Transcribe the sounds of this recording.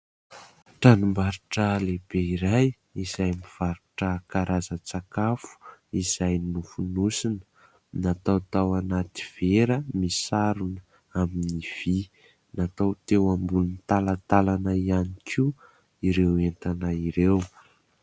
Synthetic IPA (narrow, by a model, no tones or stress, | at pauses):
ʈ͡ʂanumbaɾuʈ͡ʂəleb̥eiɾaj | izajmiv̥aɾuʈ͡ʂəkaɾʔazət͡sakafu̥iz̥ajnufunusinə̥ | nat̪awt̪awanat̪i̥v̥eɾəmisaɾunə | aminiv̥i | nat̪awt̪ewambunnt̪alat̪alanaianikʰiu | iɾewent̪anaiɾew